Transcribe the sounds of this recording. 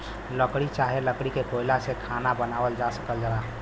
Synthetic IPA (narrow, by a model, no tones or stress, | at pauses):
ləkɽit͡ʃaɦeləkɽikekoilasekʰanabənaʋəld͡ʒasə̥kəld͡ʒaba